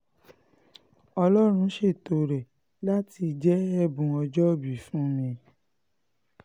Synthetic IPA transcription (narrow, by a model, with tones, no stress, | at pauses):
ɔ˧lɔ˦ɾ̃ũ˧˦ʃe˦˨to˨ɾɛ˨ | la˦ti˧d͡ʒɛ˦ɛ˦˨bũ˨ɔ˧d͡ʒɔ˦˨bi˨˦fũ˦mĩ˧